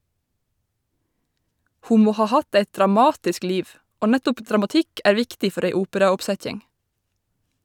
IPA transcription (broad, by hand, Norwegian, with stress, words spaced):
ˈhuː ˈmoː ˈhɑː ˈhɑt ˈeɪt dɾɑˈmɑːtɪsk ˈliːʋ ˈoː ˈnætʊp dɾɑmɑˈtɪk ˈʔæːɹ ˈʋɪktɪ ˈfœɾ ˈeɪ ˈuːpəɾɑʊpˌsɛc͡çɪŋ